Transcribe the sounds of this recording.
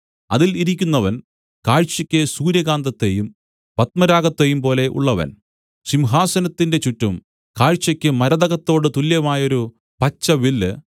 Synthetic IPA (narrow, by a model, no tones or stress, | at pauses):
ɐ̰ðiliɾikʲːunːɐʋɐn | kaːɻt͡ɕːɐkʲːɨsuːɾjɐɡaːnd̪ɐt̪ːejum | pɐt̪̚mɐɾaːɡɐt̪ːejumpo̞ːle̞ʔṵɭːɐʋɐ̰n | ɕimɦaːsɐnɐt̪ːinde̞t͡ɕutːum | kaːɻt͡ɕːɐkʲːɨmɐɾɐðɐɣɐt̪ːo̞ːɽɨt̪uljɐmaːjɐo̞ɾu | pɐt͡ɕːɐʋilɨ